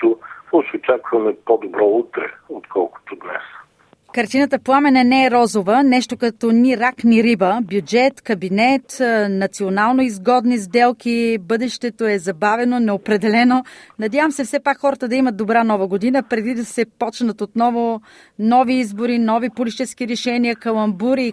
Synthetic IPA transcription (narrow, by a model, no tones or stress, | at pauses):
t̪osɔt͡ʃot͡ʃakvɐmɛpod̪obɾɔut̪ɾɛ̰ot̪kʰɔlˠko̥t̪od̪nɛ̰s | kɐɾt̪inət̪əplˠamɛnɛnɛːɾɔzovənɛʃt̪okɐt̪ɔniɾakniɾibəbjud͡ʒɛt̪kɐbinɛt̪nɐt̪sionalˠnoizɡɔd̪nizd̪ɛlˠkʲibɤd̪ɛʃt̪ɛt̪oɛzɐbavɛnonɛopɾɛd̪ɛlɛnonɐd̪javəmsɛfsɛpakxɔɾət̪əd̪ɐimət̪̚d̪obɾanɔvəɡod̪inəpɾɛd̪id̪ɐsɛpɔt͡ʃnət̪ot̪nɔvo | nɔviizboɾinɔvipolʲit͡ʃɛskiɾɛʃɛniəkəlˠɐmbuɾi